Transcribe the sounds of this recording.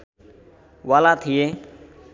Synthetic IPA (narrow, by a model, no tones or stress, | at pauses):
ʋaːlaːt̪ʰɪjeː